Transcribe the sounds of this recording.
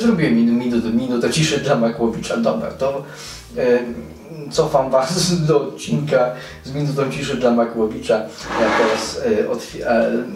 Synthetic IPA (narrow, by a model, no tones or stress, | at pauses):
zɾubʲiɛmʲinmʲinut̪ɛmʲinut̪ɛt͡ɕiʂɛd̪lamakwɔvʲit͡ʂad̪ɔbɾa̰t̪ɔ | t̪sɔfamvasd̪ɔɔt̪̚t͡ɕːinka | zmʲinut̪̬ɔ̃w̃t͡ɕiʂɛd̪lamakwɔvʲit͡ʂajat̪ɛɾasɔt̪fʲa